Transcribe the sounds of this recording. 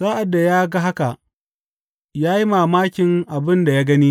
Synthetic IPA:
zaː˦ʔa˨dːa˨jaː˦ɡa˦ɦa˦ka˨ʔ | jaː˦ji˦maː˨maː˦kʲɪ˨ŋʔa˨bɪ˦nda˨jaː˦ɡɐ˦niː˦

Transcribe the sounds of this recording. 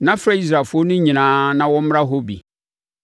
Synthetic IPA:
nã˦fɾa˦i˦sɾa˨fʊ˦o˦nʊ̃˦ɲĩ˨nãː˨˦nã˦wɔ̃˦m̩˦m˦ɾa˦ɦo˦bḭ˨

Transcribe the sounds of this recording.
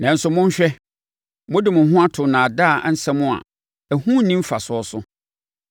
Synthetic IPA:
nã˨n̩˨˦sʊ˨mʊ̃˦ɲ˦ɕᶣɛ˦ | mʊ̃˦dɪ˨mʊ̃˨ɦʊ̃˦a˦tʰʊ˨nã˨da˦˨˦n̩˦sɛ˦mʊ̃˦a̰˨ | æ˨hũ˦nĩ˦m̩˦fa˨sʊ˨˦ɔ˦sʊ˦

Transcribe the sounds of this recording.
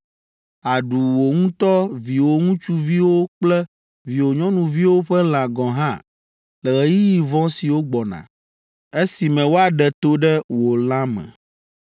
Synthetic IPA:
a˨ɖu˨wo˨ŋũ˦t̪ɔ˦vi˨wo˨ŋũ˦t͡ʃu˦vi˦wo˦k͡plɛ˦ | vi˨wo˨ɲɔ̃˦nũ˨vi˦wo˦ɸɛ˦l̃ã˨ɡɔ̃˨ɦã˦ | lɛ˨ɣɛ˨ji˦ji˨vɔ̃˦si˨wo˦ɡ͡bɔ˨nã̰˨ | e˦si˨mɛ̃˨wo˦a˨ɖɛ˨t̪o˦ɖɛ˦wo˨lã˦mɛ̰̃˨

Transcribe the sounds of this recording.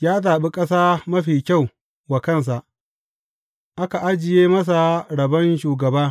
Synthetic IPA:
jaː˦taː˨ɓi˦kʼɐ˦saː˦mɐ˦ɸiː˨kʲa˦˨w | wa˨kɐ˦˨ns̬a˨ʔ | ʔa˦ka˨ʔa˦d͡ʒɪ˨jeː˦mɐ˦s̬a˨ɽɐ˨bɐ˦nʃuː˨ɡɐ˨baː˦

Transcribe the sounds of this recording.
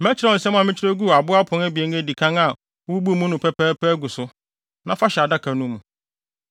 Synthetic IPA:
mæ˦t͡ɕʰɪ˦ɾa˦˨sɛ˦m˦ã˨mɪ̃˦t͡ɕʰɪɾe˦ɡu˦˨a˨bʊ˦a˦pʰʊ̃˨næ˦bi˨e˨˦ne˦˨di˨kʰã˦ŋa˨˦ | bu˦bu˦˨mũ˦nʊ̃˨pʰɛ˦pʰɛ˦pʰɛː˦ɡu˨sʊ˦ | nã˦fa˦ɕɛ˨a˨da˦kʰa˨nũ˦mũ˨

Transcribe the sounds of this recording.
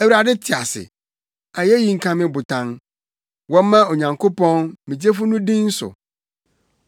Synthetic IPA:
æ˦wu˨ɾa˨dɪ˦tʰɪ˨a˨sɪ̰˨ | a˨jɛ˦ji˦ŋ̩˦˨kʰã˦mɪ̃˦bʊ˨tʰã˦n | wɔ̃˦m˦mã˦o˨ɲã˨ŋkʰo˦pɔ̃˦nmĩ˨d͡ʑe˦fʊ˦nʊ̃˦dĩ˦n̩˦sʊ̰˨

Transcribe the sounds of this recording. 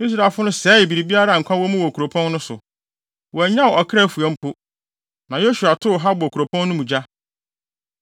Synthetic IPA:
i˦s̬ɾa˨fʊ˦nʊ̃˦sɛː˦˨bi˨ɾi˨bi˦a˦ɾa˦˨ŋ̩˨kʷʰã˦wɔ˦mũ˦wɔ˨kʰu˨ɾo˨pʰɔ̃˦n˦nʊ̃˦sʊ̰˨ | wɔ˨æ˨ɲã˦wʔɔ˨kʰɾɛ˦˨fu˨ɛ̃˨˦m̩˦pʰʊ˦ | nã˨jo˦ɕu˨a˨tʰʊ˦˨ɦa˦bɔ˨kʰu˨ɾo˨pʰɔ̃˦nː˦nʊ̃˦mũ˨d͡ʑa˦

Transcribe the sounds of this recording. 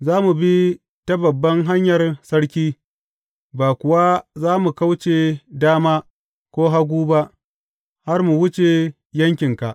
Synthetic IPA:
zaː˦mu˨bi˦ | tɐ˦bɐ˨bːɐ˦ŋɦa˦ɲjɐ˨rsɐ˦ɽkʲiː˦ | baː˨kʷʊ˨wa˦zaː˦mu˨ka˦wt͡ʃe˨daː˦maː˦ | kʷoː˦ɦa˦ɡʷuː˦ba˦ʔ | ha˦rmu˨wʊ˦t͡ʃe˨ | jɐ˦ŋkʲɪ˨ŋka˨ʔ

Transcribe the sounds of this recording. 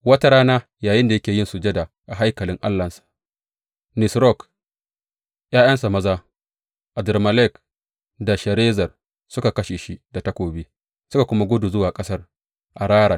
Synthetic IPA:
wɐ˦ta˦ɽaː˦naː˦jaː˨jɪ˦nda˨jɐ˦kʲeː˨jɪ˦nsu˨d͡ʒɛ˦da˨ | ʔa˨ɦa˦jkɐ˨lɪ˦ŋʔa̰˦lːɐ˨nsḁ˨ʔ | nɪ˨sɾɔ˦˨k | j̰aː˦j̰ɐ˦nsa˨mɐ˦zaː˦ | ʔa˨dɛ˨rmɐ˨lɛ˦k | da˨ʃɐ˨ɾeː˦zɐ˨r | sʊ˦ka˨kɐ˦ʃeː˨ʃi˦da˨tɐ˦kʷoː˨biː˦ | sʊ˦ka˨kʷʊ˦ma˦ɡʷʊ˦du˨zʊ˦waː˨kʼɐ˦sɐ˦r | ʔa˨ɽaː˦ɽa˨

